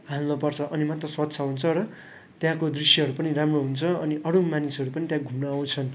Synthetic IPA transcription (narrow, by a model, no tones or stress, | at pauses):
ɦalnʌpʌrt͡sʰʌʔʌnimat̪rʌswʌt̪sʰʌɦunt͡sʰʌɾʌ | t̪jãkod̪risjʌɦʌɾupʌniramroɦunt͡sʰʌʌniʔʌɾumanisɦʌɾupʌnit̪jãɡʱumnaw̃t͡sʰʌn